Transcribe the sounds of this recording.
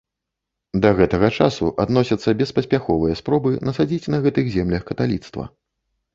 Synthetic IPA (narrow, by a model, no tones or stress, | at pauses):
d̪ɐɣɛt̪ɐɣɐt͡ʂasuʔad̪nɔsʲɐt̪sːɐbʲɛspɐsʲpʲaxɔvɨjɐspɾɔbɨnɐsad͡zʲit͡sʲnɐɣɛt̪ɨɣzʲɛmlʲɐxkɐt̪alʲit̪st̪vɐ̰